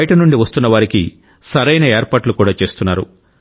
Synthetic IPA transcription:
ɐjʈɐnuɳɖiʋɐst̪unːɐʋaːɾikḭ | sɐɾɐjnɐeːɾpaːʈlukuːɽaːt͡ʃe̞ːst̪unːaːɾṵ

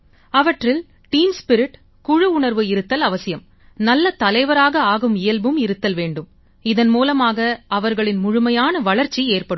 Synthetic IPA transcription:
ɐʋɐʈrɪl | ʈiːmspɪɾɪʈ | kʊɻɯʊɳɐɾʋɯɪɾɯt̪ːɐlɐʋɐsɪjɐm | nɐlːɐt̪ɐlɐɪʋɐɾaːɣɐaːɣɯmɪjɐlbɯmɪɾɯt̪ːɐlʋeːɳɖɯm | ɪðɐnmuːlɐmaːɣɐɐʋɐɾɣɐɭɪnmʊɻʊmɐjaːnɐʋɐɭɐɾt͡ʃːieːrpɐɽɯm

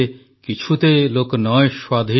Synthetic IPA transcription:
kit͡ɕʰut̪eloknɔeʃwad̪ʱi

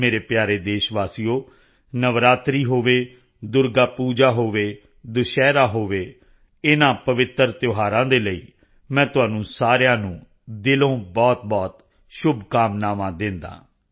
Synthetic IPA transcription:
meːɾeːpjaːɾeːd̪eːʃʋaːsijoː | nəʋɾaːt̪ɾiːɦoːʋeː | d̪ʊɾɡaːpuːd͡ʒaːɦoːʋeː | d̪ʊʃɛːɾaːɦoːʋeː | ɪnãːpəʋɪt̪ːɾt̪joːɦaːɾãːd̪eːləiː | mɛ̃ːt̪ʊɦãːnũːsaːɾjãːnũː | d̪ɪlõːbɔːt̪̚bɔːt̪ | ʃʊbʱkaːmnaːʋãːd̪ɪ̃nd̪a̰ː

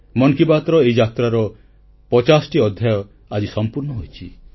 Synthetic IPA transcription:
mɔŋkibat̪ɾɔeid͡ʒat̪ɾaɾɔ | pɔt͡ʃasʈiɔd̪ʱjajɔ | ad͡ʒisɔmpuɾnɔɦojt͡ʃʰi

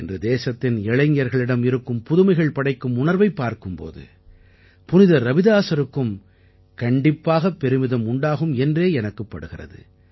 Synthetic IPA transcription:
ɛndrɯd̪eːsɐt̪ːɪnɛɭɐɲjɐɾɣɐɭɪɽɐmɪɾɯkːɯmpʊðʊmɐɪɣɐɭpɐɽɐɪkːɯmʊnɐɾʋɐɪpːaːɾkɯmpo̰ːðɯ̰ | pʊnɪðɐɾɐbɪðaːsɐɾɯkːɯm | kɐɳɖɪpːaːɣɐpːɛɾɯmɪðɐmʊɳɖaːɣɯmɛndreːɛnɐkːɯpːɐɽɯɣɪrɐ̰ðɯ̰

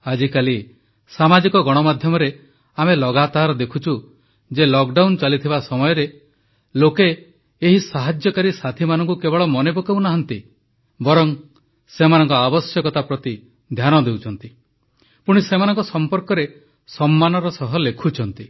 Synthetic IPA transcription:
ad͡ʒikali | samad͡ʒikɔɡɔɽ̃ɔmad̪ʱjɔmɔɾe | amelɔɡat̪aɾɔd̪ekʰut͡ʃʰu | d͡ʒelɔkɖawnt͡ʃalit̪ʰibasɔmɔjɔɾe | lokeː | ɦisaɦad͡ʒjɔkaɾisat̪ʰimanɔŋkukebɔɭɔmɔnebɔkaw̃naɦɔnt̪i | bɔɾɔŋ | semanɔŋkɔabɔsjɔkɔt̪apɾɔt̪i | d̪ʱjanɔd̪ewt͡ʃʰɔnt̪i | puɽ̃isemanɔ̃ŋkɔsɔmpɔɾkɔɾe | sɔmːanɔɾɔsɔɦɔlekʰut͡ʃʰɔnt̪i

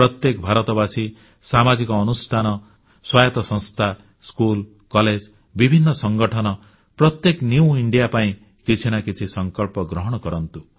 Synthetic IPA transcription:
pɾɔt̪jekbʱaɾɔt̪ɔbasi | samad͡ʒikɔːnusʈʰanɔ | swajɔt̪ɔsɔ̃ŋst̪ʰa | skul | kɔled͡ʒ | bibʱinːɔsɔŋɡɔʈʰɔnɔ | pɾɔt̪jeknjiuiɳɖijapaĩ | kit͡ʃʰinakit͡ʃʰisɔŋkɔlpɔɡɾɔɦɔɽ̃ɔkɔɾɔnt̪u

